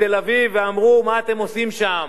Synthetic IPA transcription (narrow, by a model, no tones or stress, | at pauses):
t̪elaviveamʁumaːt̪e̞mo̞simʃam